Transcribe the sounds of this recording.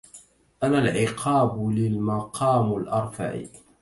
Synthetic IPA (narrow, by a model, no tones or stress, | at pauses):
ʔanalʕɪqʰɑːblɪlmɑqʰɑːmalʔɑɾˤfa̰ʕḭ